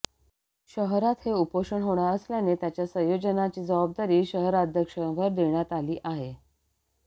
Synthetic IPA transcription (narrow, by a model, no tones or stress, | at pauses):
ɕəɦɾat̪heupoʂəɳɦoɽ̃aəsljanet̪jat͡ɕjasə̃jod͡ʑənat͡ɕiːd͡zəʋab̚d̪aɾiːɕəɦɾaəd̪ʱjəkʂəʋəɾd̪eɳjat̪aliːʔaɦe